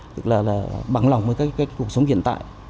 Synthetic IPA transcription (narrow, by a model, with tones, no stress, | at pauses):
t̪ɨ˦˥k̚laː˨˩laː˨˩ɓa˧˩ŋla˨˩wŋ͡mvəː˨˦jkaː˦˥kaː˦˥kku˨˩ək̚sə˨˦wŋ͡mhḭ˧˨ənt̪a̰ː˧˨j